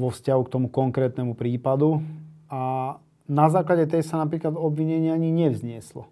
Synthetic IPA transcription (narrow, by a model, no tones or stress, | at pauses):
ʋɔfscaɦukt̪ɔmukɔŋkɾɛːt̪nɛmupɾiːpad̪ua | nazaːklaɟɛt̪ɛjsanapɾiːklad̪ɔbʋiɲɛɲɪaaɲiɲɛʋzɲɪɛslɔ̰